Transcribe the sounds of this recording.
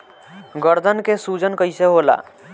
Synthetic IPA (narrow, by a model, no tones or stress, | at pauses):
ɡəɾd̪ʱənkesud͡ʒənkəjseɦola̰